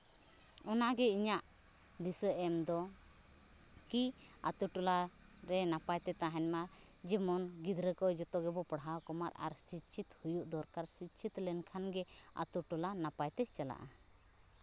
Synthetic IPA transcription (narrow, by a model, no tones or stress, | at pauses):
ɔnaɡɛiɲaʔ | d̪isəʔɛmd̪ɔ | ki | a̰t̪uʈɔla | ɾɛnapajt̪ɛt̪aɦɛnmaɾ | d͡ʒɛmɔnɡid̪ʱɾəkɔjd͡ʒɔt̪ɔɡɛbɔpəɽɦawkɔmaɾa̰ɾsit̪t͡ʃʰit̪hujuʔd̪ɔɾkaɾsit̪̚t͡ʃʰit̪lɛnkʰanɡɛ | a̰t̪uʈɔlanapajt̪ɛt͡ʃala̰ʔa